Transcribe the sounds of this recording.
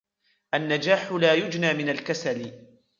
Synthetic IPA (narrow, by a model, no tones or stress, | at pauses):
ʔanːad͡ʒaːħʊlaːjʊd͡ʒnaːmɪnalkasalɪ